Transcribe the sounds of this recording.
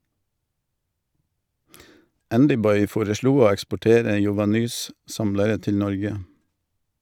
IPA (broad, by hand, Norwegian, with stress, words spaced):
ˈændʏˌbɔʏ ˈfoːɾəˌʃɭuː ˈoː ɛkspɔˈʈeːɾə jʊʋɑˈnyːs ˈsɑmləɾə ˈtɪl ˈnɔɾɡə